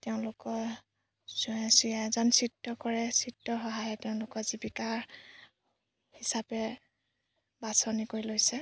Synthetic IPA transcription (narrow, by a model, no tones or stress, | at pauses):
teʊ̃nlʊkɔ | siɛzɔnsitːɔkɔɹɛsitːɔxɔɦajɛteʊ̃lʊkɔzibikaɹ | hisapɛ | basɔnikoɹilojsɛ